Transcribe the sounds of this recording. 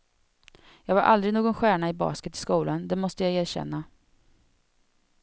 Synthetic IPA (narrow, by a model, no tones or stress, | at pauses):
jɑːɡvaɾʔa̰ld̪ɾɪnoːɡɔnɧæːɳaɪbɑ̰ːskət̪ɪ̥skuːland̪ɛmɔst̪əjajeːɾɕɛ̰nːa